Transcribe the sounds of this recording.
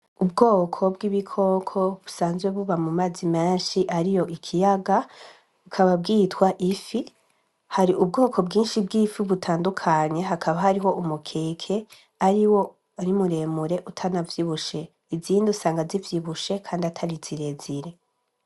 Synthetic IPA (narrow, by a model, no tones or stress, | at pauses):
ubɡo̞ːkʰo̞bɡiβikʰo̞kʰo̞βusaːnzɡwe̞βuβamumaːzimeːnʃiʔaɾijo̞ʔikʰijaɡa | βukʰaβab̚ɡiːtwaʔifi | haɾiʔubɡo̞ːkʰo̞b̚ɡiːnʃib̚ɡiːfiβutʰaːndukʰaɲe̞ɦakʰaβaɦaɾiɦo̞ʔumukʰeːkʰe̞ | aɾiwo̞ | aɾimuɾe̞muɾe̞ʔutʰanavjiβuʃe̞ | iziːndusaːŋɡazivjiβuʃe̞kʰaːndiatʰaɾiz̥iɾe̞z̥iɾe̞